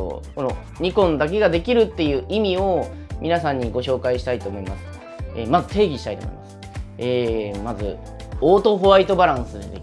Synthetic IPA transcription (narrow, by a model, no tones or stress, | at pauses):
ko̞no̞ | ɲ̟ikõ̞nd̪ak̬e̞ɡad̪e̞kʲiɾɯ̟t̪ːe̞jɯ̟ːʔimʲio̞ | mʲinasãɲ̟ːiɡo̞ɕo̞ːkaiɕi̥t̪ait̪o̞ːmo̞imasɨ̥ | ḛːmazɨt̪e̞ːɡʲiɕi̥t̪ait̪o̰mo̰ḭmasɨ̥ | eːmazɨ̰ | oːt̪o̞ɦo̞ait̪o̞baɾãɰ̃sɨd̪ed̪ḛ